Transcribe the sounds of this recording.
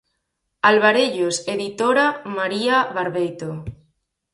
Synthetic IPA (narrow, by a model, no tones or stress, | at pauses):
alβaɾeʎoseðit̪oɾamaɾiaβaɾβejt̪o